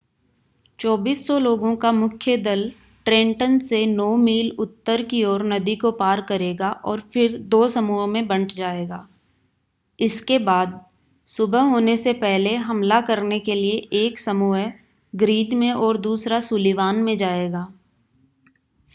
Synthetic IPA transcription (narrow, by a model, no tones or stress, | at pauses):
t͡ʃɔːbiːsːɔloːɡõkamʊkʰjəd̪əl | ʈɾẽːɳʈənsenɔːmiːlʊt̪ːəɾkiɔːɾnɐd̪ikopaːɾkɐɾeːɡaʔɔːɾfɪɾd̪oːsɐmuːmẽbɐ̃ɳʈd͡ʒaːeːɡaː | ɪskebaːd̪̚ | sʊbɦoːnesepɛɦleɦɐmlakɐɾnekelieʔeːksɐmuː | ɡɾiːɖmẽʔɔːɾd̪uːsɾasuliʋaːnmẽd͡ʒaːeːɡaː